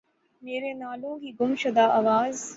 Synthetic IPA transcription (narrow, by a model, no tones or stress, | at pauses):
meːɾenaːlõːkiːɡʊmʃɐd̪aːʔaʋaːz